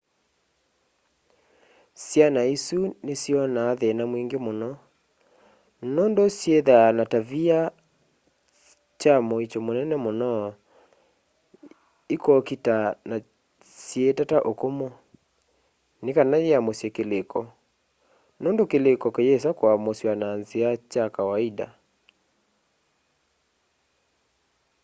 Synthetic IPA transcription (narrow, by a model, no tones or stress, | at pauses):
sjanaisunesjɔnaːðɛnamwiŋɡemonɔ | noːndosjeðanatavia | t͡ʃamoit͡ʃomonɛnɛmonɔ | ikɔkitana | sjetataʔokomo | nekanajeamosjɛkelekɔ | nondokelekɔkejes̬akwamosjananziat͡ʃakawaida̰